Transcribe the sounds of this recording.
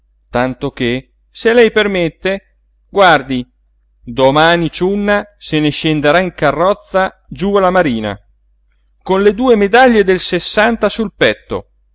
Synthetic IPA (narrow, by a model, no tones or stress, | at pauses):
t̪ant̪oke | selɛjpermet̪ːe | ɡward̪i | d̪omaːnit͡ʃunːaseneʃend̪eɾaiŋkarːɔt̪sːa | d͡ʒualamaɾiːna̰ | konled̪uːemed̪aʎːed̪elsesːant̪asulpɛt̪ːo̰